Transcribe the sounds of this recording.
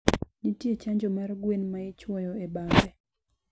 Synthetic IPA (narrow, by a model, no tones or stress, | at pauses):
nitjet͡ʃaɲd͡ʒɔmarɡwenmaɪt͡ʃwɔjɔebabɛ